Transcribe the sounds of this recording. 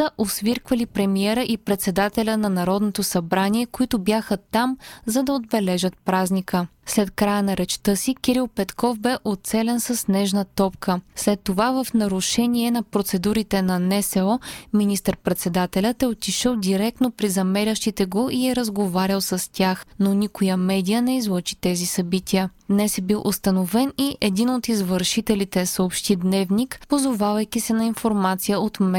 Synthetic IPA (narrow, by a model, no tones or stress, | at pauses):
əʔosviɾkvəlipɾɛmiɛɾəʔipɾɛt̪sɛd̪at̪ɛlʲənɐnɐɾɔd̪not̪osɐbɾanʲiɛkoit̪objaxət̪amzɐd̪ɐod̪̚bɛlɛʒət̪̚pɾaznikəslɛt̪kɾajənɐɾɛt͡ʃt̪ɤsikiɾilˠpɛt̪kɔfbɛʔot̪sɛlʲɛnsɐsnɛʒnət̪ɔpkʰəslɛt̪ːovavəfnɐɾʊʃɛniɛnɐpɾot̪sɛd̪uɾit̪ɛnɐnɛsɛɔminist̪əɾpɾɛt̪sɛd̪at̪ɛlʲət̪ɛot̪iʃəlˠd̪iɾɛk̚t̪nopɾizɐmɛɾʲəʃt̪it̪ɛɡoʔiɛɾəzɡovaɾʲəlˠsɐst̪ʲjaxnonʲikojəmɛd̪ijənɛizlˠɤt͡ʃi̥t̪ɛzisɐbit̪ʰiəd̪nɛsɛbilˠʔost̪ɐnovɛniʔɛd̪inot̪izvəɾʃit̪ɛlit̪ɛsəopʃt̪id̪nɛvnikpozovavəjk̟isɛnɐinfoɾmat̪sijəot̪mɛ